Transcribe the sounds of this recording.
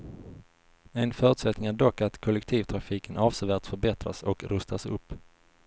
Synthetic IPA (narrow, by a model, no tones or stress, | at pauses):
ɛnfœːɾɵt̪sɛt̪nɪŋæɖɔkːat̪kʰɔlːɛkt̪ʰiːvt̪ʰɾafiːkənʔɑːvsɛvæːʈt̪fœɾbɛt̪ɾa̰sɔkɾɵst̪asɵ̰pː